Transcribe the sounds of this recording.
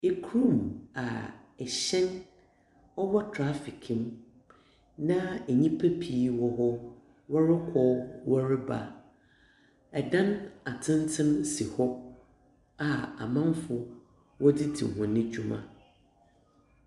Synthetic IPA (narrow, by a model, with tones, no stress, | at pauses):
e˨kʰɾũ˦˨ma̰˨ɛ˨ɕɛ̃˦n | ɔ˦wɔ˦tʰɾa˦fi˨kʰɪ̃˨m | nã˦ɛ˨ɲĩ˦pʰa˦pʰi˨wɔ˦ɦɔ˦ | wɔ˦ɾɪ˦kʰɔ˦wɔ˦ɾɪ˦ba̰˨ | ɛ˨dã˦na˨tʰɪ̃˦ntʰɪ̃˦msi˨hɔ˦ | a˨a̰˨mã˦mfʊ˨ | wɔ˦dɪ˦dʰḭ˨ɦɔ̃˨nɪ̃˦d͡ʑᶣu˦mã̰˨